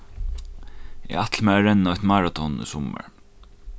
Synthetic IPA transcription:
ɛ̰at̪ʰlmɛaɾɛnːɔht̪maːɹat̪ʰɔnʏ̰sɔmə̰ɹ

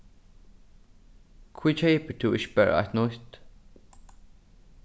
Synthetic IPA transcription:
kʰwiːt͡ʃʰeːpət̪ʰuʔɪʃbɛɹa̰t̪nʊt̪

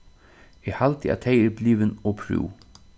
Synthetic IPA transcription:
ɛhalt̪ɪæ̰t̪ʰeɪɛɾbliːʋɪnɔpʰɾṵːw

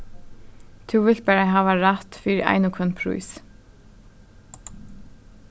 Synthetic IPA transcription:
t̪ʰʉʋɪl̥t̪̚bæːɾaɪɦaːʋaɾat̪fiːɾʔa̰ɪnʊkʰœnpʰɾṵjs

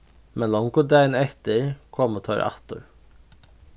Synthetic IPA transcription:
mɛnlɔŋkʊd̪æɪnɛt̪əɾkʰɔmoːt̪ʰɑːɾʔɑ̰t̪ʊ̰ɹ

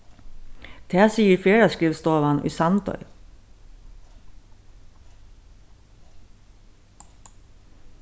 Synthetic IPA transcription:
t̪ʰæːsiːəɾfeːɾɑskɾɪʋst̪oːʋɑnʔy̰ːsɑnt̪œ̰ʏ

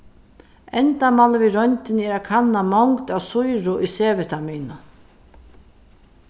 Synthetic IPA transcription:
ɛnt̪amalviɾɔnt̪ɪnɛɾakʰanːamɔŋkt̪awsʊjɾʊʔiseːʋɪt̪ʰamiːnʊ

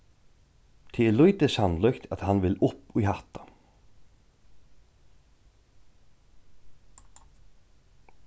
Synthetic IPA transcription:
t̪ʰɪlujt̪əshanlœkt̪ʰat̪hanʋɪlʊpʊjɦat̪ḁ

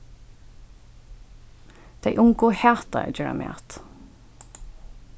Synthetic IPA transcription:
d̪̥æɪʔʊŋɡoːheːt̪ɑ̰æ̰d͡ʒœɹɑ̰mḛːt̪

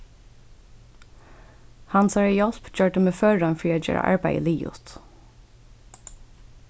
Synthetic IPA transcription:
hɑnsɑɹijɔlpc͡çøːʈəmeːfœːɹɑnfɹiːoːjø̰ːɹə̰ʔɑ̰ɹbæɪə̰liːʊ̰t̪

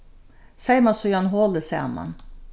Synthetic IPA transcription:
sæɪmɑsɔjɑnɦoːləsḛmɑ̰n

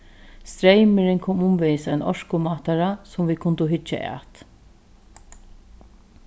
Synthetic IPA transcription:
st̪ɾejmɪɾɪŋkʰuːmʊmʋɛjsajnɔ̰ʂkʊmaːt̪aɾasʊmviːkʰʊnt̪ʊɦʏt͡ʃːa̰ʔæ̰ːt̪

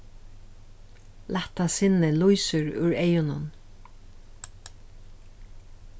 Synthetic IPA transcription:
lat̪asɪnɪlujsʏɹʉ̰ɹejʊnʊn

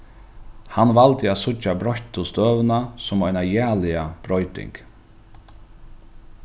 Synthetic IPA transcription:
hanːvalt̪ɪat̪sʊabɾɔçt̪ʊst̪œːvnasʊmɔʏnajæːlɪab̥ɾɔjt̪ɪ̰ŋk

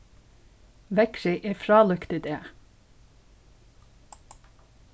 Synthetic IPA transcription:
ʋɛkʃɪʔeːfɾɑːlʉkt̪ɪd̪eː

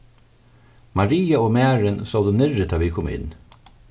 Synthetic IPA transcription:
mɑɾiːɑoːmæːɹənsɔːd̪ənɪɹət̪ʰɑːʋiːkʰɔmɪ̰n

